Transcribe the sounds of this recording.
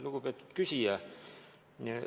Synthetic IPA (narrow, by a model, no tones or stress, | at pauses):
lukupet̪ːy̥t̪kysiæ | ni